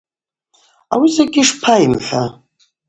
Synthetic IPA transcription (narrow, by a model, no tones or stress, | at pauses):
a̰wizaɡʲɪʂpʰaimħʷa